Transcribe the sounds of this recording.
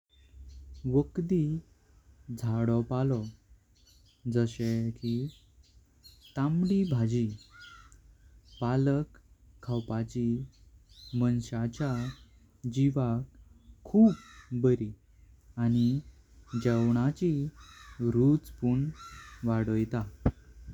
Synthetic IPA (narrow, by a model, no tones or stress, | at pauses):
ʋəkd̪i | d͡zʱaɽɔpalɔ | d͡zəɕeki | t̪amɽibʱad͡ʑi | paləkʰː | awpat͡ɕi | mənɕat͡ɕa | d͡ʑiʋakkʰːuːpbəɾi | añi | d͡ʑəwɳat͡ɕi | ɾut͡spuɳʋaɽɔjt̪a